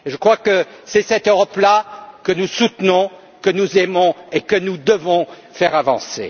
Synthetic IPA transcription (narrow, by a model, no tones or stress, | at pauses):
eʒəkχwakəsɛsɛt̪øʁɔplakənusut̪nɔ̃ | kənuzɛmɔ̃ekənud̪əvɔ̃ | fɛʁavɑ̰̃sḛ